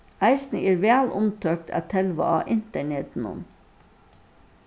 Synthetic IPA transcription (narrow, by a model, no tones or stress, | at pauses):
æɪsnəeːɾʋæːlʔʊmt̪ʰøːkt̪ʰæ̰ːt̪ʰɛlʋɑ̰ɑːʔɪnt̪əɳeːd̪n̩ʊ̰n